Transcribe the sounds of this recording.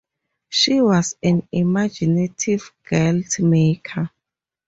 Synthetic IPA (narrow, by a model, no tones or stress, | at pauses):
ʃiwɔsãnimad͡ʒinetʰivɡ̥ɛltʰmekʰa